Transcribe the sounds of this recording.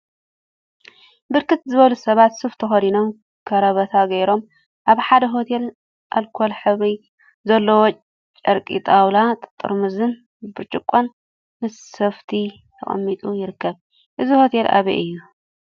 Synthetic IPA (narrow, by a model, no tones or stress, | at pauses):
bɨɾkɨt̪zɨβɐlusɐβat̪sɨft̪ʰɐxɐd̪ino̞m | kʰɐɾɐβɐt̪ʰaɡɐjɾo̞m | ʔaβħad̪ɐɦo̞t̪ʰe̞l | ʔalkʰolħɨβi | zɐlːowot͡ʃʼ | t͡ʃʼɐɾkʼḭt̪ʼawlat̪ʼt̪ʼːɨ̰ɾmɨzɨn | bɨɾt͡ʃʼɨkʼːon | mɨssɐft̪ʰi | t̪ʰɐ̰χʼɐ̰mːit̪ʼujɪɾɨkːɐβ | ʔɨziho̞t̪ʰelʔa̰βḭʔɨjːu